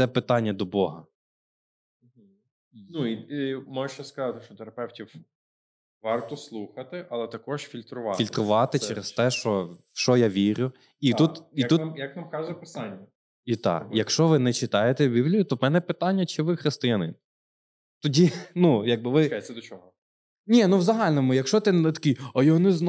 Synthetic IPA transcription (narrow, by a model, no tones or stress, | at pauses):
sɛpɪt̪ɑnʲːɐd̪ɔbɔɦɐ̰ | nuiimɔjɪʃt͡ʃɛskɐzɑt̪ɪʃt͡ʃɔt̪ɛɾɐpɛwtʲiw | ʋɑrt̪ɔslˠuxɐt̪ɪʔɐlˠɛt̪ɐkɔʒfʲilʲt̪ɾʊʋɑilʲt̪ɾʊʋɑt̪ɪt͡ʃɛɾest̪ɛʃt͡ʃɔ | ʃɔjaʋʲiɾʲʊ | iut̪it̪ujɐkʋamkɑzʊpɪsɑnʲːɐ | it̪ɑ̰jɐkʃt͡ʃɔʋɪnɛt͡ʃɪt̪ɑjet̪ɛbʲiblʲijʊt̪ɔmɛnɛpɪt̪ɑnʲːɐt͡ʃɪʋɪxɾɪst̪ɪjɐnɪ̰n | t̪ɔdʲinujaɡ̚bɪʋɪkat̪sɛd̪ɔt͡ʃɔɦɔ | nʲinuʋzɐɦɑlʲnɔmʊjɐkʃɔt̪ɪnɛt̪ɐ̥kʲijɐjɔɦɔnɛzn